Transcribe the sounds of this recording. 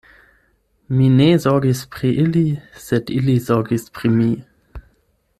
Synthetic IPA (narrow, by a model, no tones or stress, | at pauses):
minezɔɐɡispʁ̥iʔɪlisɛtɪlizɔɡispʁ̥imi